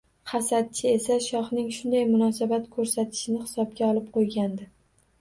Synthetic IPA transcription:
χasad̪̚t͡ʃʰɪe̞saʃɒχnɪŋʃʊnd̪ajmʊnɒsabat̪kʰɵɾsat̪ʰɪ̥ʃɪnɪhɪsɒb̚ɡʲaɒlˠɪp̚qʰojɡʲand̪ɪ

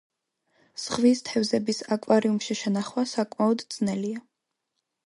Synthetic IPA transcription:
sʁvist̪ʰɛvzɛbisakʼwaɾiumʃiʃɛnaχwasakʼmaɔd̪d̪z̥nɛlia

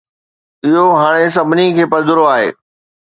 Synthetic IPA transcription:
ɪɦoɦaːɽ̃es̬ɐbʱɪnikʰeːpɐd̪ʱʊɾoaːɦḛː

